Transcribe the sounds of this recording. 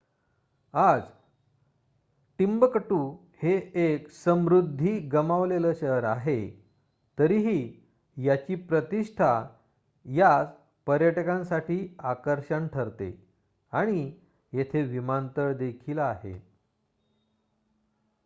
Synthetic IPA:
ad͡z | ʈimbəkəʈuː | heeksəmɾud̪ʱːiːɡəmaʋleləːɕəɦɾaɦe | t̪əɾiɦiː | jat͡ɕiːpɾət̪iʂʈʰa | jat͡s | pəɾjəʈəkãnsaʈiːakəɾɕəɳʈʰəɾt̪ḛ | aɽ̃i | jet̪ʰeʋimant̪əɭd̪ekʰiːləaɦḛ

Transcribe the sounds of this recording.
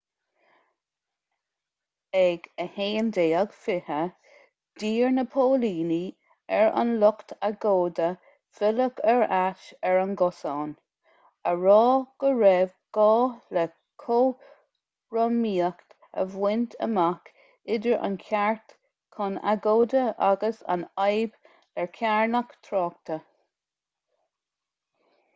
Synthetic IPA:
ɛɡ̥əheːnd̪eːəɡ̥fɪhə | d̪̥iːɹnəpʰoːliːni | ɛɹa̰nlʊkt̪ʰaɡoːd̪ə | fɪləkʰɛɹaʃɛɹanɡɔsɔːn | əɹɔːɡ̥əɹɛvɡ̥ɔːlɛ | kʰoː | ɹɔmiːəkt | ə̰vwɪnt̪ʰə̰mak | ɪdəɹʔa̰nkʰaɹt̪ | kʰana̰ɡoːd̪əʔa̰ɡəsa̰najb | lɛɹkʰaɹnəkt̪ʰɾɔːk̚t̪ʰə

